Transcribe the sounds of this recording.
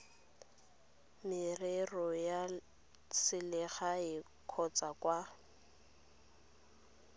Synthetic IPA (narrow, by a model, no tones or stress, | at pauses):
mɪrerɔja | sɪlɛχaɪ | kʰɔt͡sʼakʼwa